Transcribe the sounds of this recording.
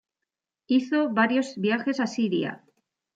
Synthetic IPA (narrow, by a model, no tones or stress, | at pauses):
iθo̞βaɾjo̞zβjaxe̞sasiɾia̰